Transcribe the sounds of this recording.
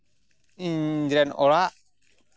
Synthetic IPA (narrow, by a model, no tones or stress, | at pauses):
iɲd͡ʒɾɛno̰laʔ